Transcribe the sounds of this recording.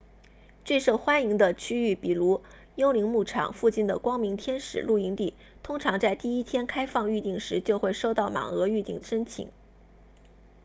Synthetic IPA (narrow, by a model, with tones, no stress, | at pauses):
ʈ͡ʂwe˥˧ʂo˥˩ʊxwa˥ni˧˥ŋd̪ə˧t͡ɕʰy˥y˥˩pi˨˩lu˧˥ | jo˥ʊli˧˥ŋmu˥˩ʈ͡ʂʰɑ̰˨˩˦ŋfu˥˧t͡ɕi˥˩nd̪ə̰˩kwɑ˥ŋmi˧˥ŋt̪ʰjɛ˥nʂɻ̩̰˨˩lu˥˩i˧˥ŋt̪i˥˩ | t̪ʰʊ˥ŋʈ͡ʂʰɑ˧˥ŋt͡sa˥˧ɪt̪i˥˩i˥t̪ʰjɛ˥nkʰa˥ɪfɑ˥˧ŋy˥˧t̪i˥˩ŋʂɻ̩˧˥t͡ɕjo˥˧ʊxwe˥˧ɪʂo˥˧ʊt̪ɑ˥˩ʊma̰˨˩ŋɤ˧˥y˥˧t̪i˥˩ŋd̪ə˩ʂə˥nt͡ɕʰḭ˧˩˦ŋ